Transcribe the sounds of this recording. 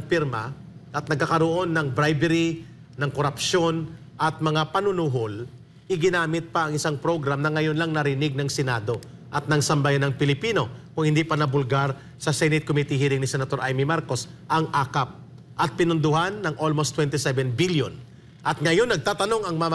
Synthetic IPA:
piɾma | ʔɐt̪̚nɐɡ̚kakɐɾoʔo̞nːɐŋbɾajbɛɾi | nɐŋkoɾɐpʃo̞n | ʔɐt̪̚mɐŋapɐnʊnuɦol | ʔɪɡɪnaːmɪt̪̚pɐɐŋɪsaŋpɾo̞ɡɾamnɐŋɐjo̞nlɐŋnɐɾɪnɪɡ̚nɐŋsɛnad̪o̞ʔɐt̪̚nɐŋsɐmbajanɐŋpɪlɪpiːno̞kʊŋhɪnd̪iːpɐnɐbʊlɡaɾ | sɐsɛnɪt̪̚komit̪ihiːɾɪŋnɪsɛnɐt̪o̞ɾʔajmimaɾko̞sʔɐŋʔaːkap̚ | ʔɐt̪̚pɪnʊnd̪ʊhanːɐŋʔo̞lmost̪ːwɛnt̪ɪsɛvɛnbiljon | ʔɐt̪̚ŋɐjo̞nːɐɡ̚t̪aːt̪ɐno̞ŋɐŋmɐm

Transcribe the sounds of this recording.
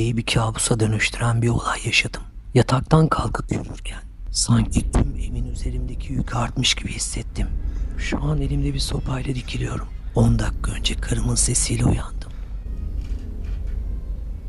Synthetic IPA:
ejibicʰaːbusad̪ø̞nyʃt̪ʰyɾænbio̞lˠajːaʃad̪ɯm | jat̪ʰak̚t̪ʰankʰalˠkʰɯpjyɾyɾcʰæn | saɲcʰit̪ʰymeminyze̞ɾimd̪ecʰiycʰaɾt̪mɯʃɟibihisːɛt̪ʰːimʃuane̞lʲimd̪ɛbiso̞pʰajlˠad̪icʰilʲijo̞ɾumo̞nd̪akːaø̞nd͡ʒɛkʰaɾɯmɯnse̞siːlʲɛṵjand̪ɯm

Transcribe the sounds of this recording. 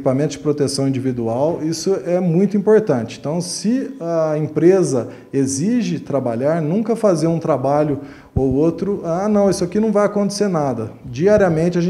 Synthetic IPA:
ipamẽnt̪ʊzd͡ʒɪpɾot̪esɐ̃w̃ĩd͡ʒivid̪uawisʊɛmũj̃t̪ʊĩmpoɾt̪ɐ̃nt͡ʃɪẽt̪ɐ̃w̃sɪɐẽpɾezɐ | eziʒɪt̪ɾabaʎaɾnũkɐfazeɾũt̪ɾabaʎʊ | owot̪ɾʊanɐ̃w̃isʊakinɐ̃w̃vajakõnt̪e̥seɾnad̪ɐd͡ʒiaɾiɐmẽnt͡ʃɪaʒẽ

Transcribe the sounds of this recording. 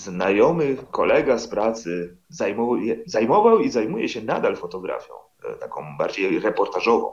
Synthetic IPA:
znajɔmɘkɔlɛɡaspɾat̪sɘ | zajmɔjɛzajmɔvawizajmujɛɕɛna̰d̪alfɔt̪ɔɡɾa̰fʲjɔ̰̃w̃ | t̪akɔ̃w̃ba̰ɾd͡ʑejɾɛpɔɾt̪aʐɔvɔ̰̃w̃

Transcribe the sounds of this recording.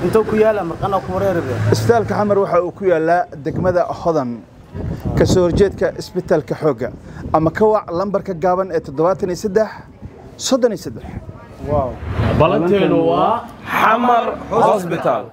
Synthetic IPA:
ɪnt̪ʰɐwkʰʊjaːlamɐrkʼanaːkʰʊwɐɾɛːɾɪβɛɪsbɪt̪ʰaːlkɐħɑmɐrwɑħɑuːkʰʊjaːlaːd̪ɛɡmɐðɐhɔðɐn | kʰɐsɔrt͡ʃɛːd̪kʰɐʔɪsbɪt̪ʰaːlkʰɐħɔːɡɐʔɐmɐkʰɐwɑʕlɐmbɐrkʰɐɡaːβɐnɛːt̪ʰɔd̪ɔβɐt̪ʰɐnisɐd̪ɛħ | sɔd̪ɔniːsɐd̪ɛħ | wɑwbɐlɐɛn | ħɑmɐrhɔɔsbɪt̪ʰaːl

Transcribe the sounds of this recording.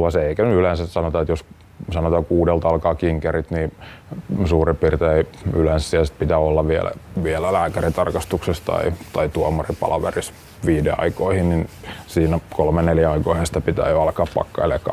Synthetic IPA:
ʋɑseeikænyylensæssɑnot̪ɑet̪jos | sɑnot̪ɑkuːdelt̪ɑlkɑːkiŋkerit̪niː | suːripirt̪eeiylenssːiæsi̥t̪̚pit̪æolːɑʋiḛlæ̰ʋielælæːkærit̪ɑrkɑst̪uksest̪ɑ̰it̪ɑit̪uɑmɑripɑ̰lɑʋḛris | ʋiːdeɑ̰ikoihinninsiːnækolmeneljæɑikoihenst̪æpit̪æ̰ːjoɑlkɑːppɑ̰kːɑelekɑ̰

